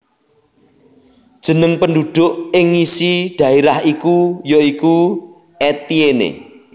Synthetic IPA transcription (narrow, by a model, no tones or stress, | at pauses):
d̥ʒ̥ə̤nəŋpəndud̪̥ʊ̤ʔɪŋisiɖ̪̥ä̤eɾahikujoiku | et̪ienḛ